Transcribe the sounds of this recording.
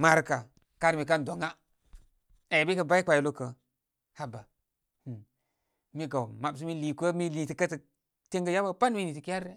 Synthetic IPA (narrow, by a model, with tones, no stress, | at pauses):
ma˦ɾka˨ | ka˦ɾmi˨ka˦n˨do˨ŋa˦ | a˨jbi˦kə˦ba˦i˦kʷa˨ji˨lo˦kə˨ | ha˦ba˨ | mi˦ɡa˨wma˨bs̬i˦mi˦li˨kə˦mi˦li˨ti˨kə˦tə˨ | te˦ŋɡə˦ja˦ba˦pa˦nmi˦ni˨ti˨ki˦ja˦ɾːe˦